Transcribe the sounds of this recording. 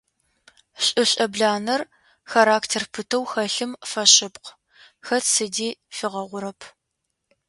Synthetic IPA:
ɕʼɪɕʼɐbɮaːnɐr | xaɾaːktʰerpʰɨtʰɐwxɐɬɨmfɐɕɪpq | xɐtsɨdiːfɨʁɐʁʷʊɾɐpʰ

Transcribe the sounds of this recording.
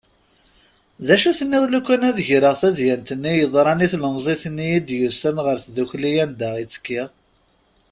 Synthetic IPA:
ðæʃuθənːɪðˤlukːænæðəʝɾəʁθæðjænt̪ənːijəðˤɾˤɑniθləmzˤiθənːijid̪jusənʁəɾθðuçlijænd̪æit͡sːə̥kːiʁ

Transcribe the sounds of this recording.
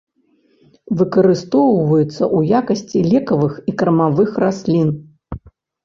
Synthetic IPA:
vɨkɐɾɨst̪ɔwvɐjut̪sːɐʔujakɐsʲt͡sʲilʲɛkɐvɨxikɾɐmavɨxrasʲlʲin

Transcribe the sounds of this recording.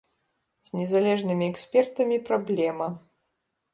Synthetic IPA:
z̥ʲnʲɛzalʲɛʐnɨmʲiɛksʲpʲɛrt̪ɐmʲipɾablʲɛmɐ

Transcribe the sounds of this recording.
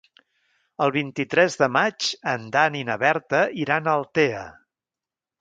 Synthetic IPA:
əlˠβ̞int̪it̪ɾɛzðəmad͡ʒənd̪aninəβɛɾt̪əiɾanəlˠt̪eə

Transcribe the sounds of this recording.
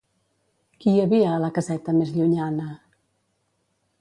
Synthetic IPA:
kiəβiəːləkəzɛt̪əmezʎuɲanə

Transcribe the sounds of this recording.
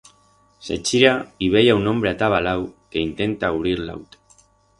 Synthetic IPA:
sḛt͡ʃiɾaiβ̞ejaunombɾeat̪aβalawkeint̪ent̪auβɾiɾla̰wt̪ḁ

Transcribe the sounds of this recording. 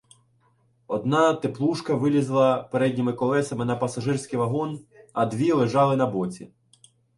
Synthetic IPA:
ɔd̪nɑt̪eplˠuʃkɐʋɪlʲizlˠɐpeɾɛdʲnʲimɪkɔlˠɛsɐmɪnɐpɐsɐʒɪrsʲkɪjʋɐɦɔnɐd̪ʋʲilˠeʒɑlˠɪnɐbɔt͡sʲḭ

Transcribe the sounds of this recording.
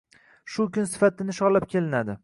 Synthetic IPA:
ʃʊkʲʊnsɪ̥fat̪ɪnɪʃɒlɪp̚kʲʰe̞lɪnad̪ɪ

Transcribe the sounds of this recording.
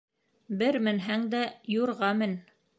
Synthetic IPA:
bɘɾmɘ̆nɦæŋd̪æjuɾʁɑmɘ̆n

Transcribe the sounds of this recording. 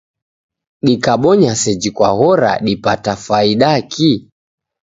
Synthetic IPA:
ɗikaɓɔɲasɛd͡ʒikwaɣɔɾa̰ɗipatafaiɗakʰi

